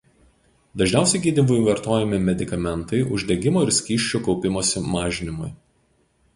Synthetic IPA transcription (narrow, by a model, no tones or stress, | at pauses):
d̪ɐʒʲnʲɛˑʊsʲɛɪɡʲiːd̪ʲibʊɪʋɐɾt̪oːjɛmʲɪmʲɛd̪ʲɪkɐmʲɛnt̪ɐɪʔʊʒʲd̪ʲɛɡʲɪmoːɪɾsʲkʲiːʃʲt͡ʃʲukɔʊpʲɪmoːsʲɪmɑːʒʲɪnʲɪmʊɪ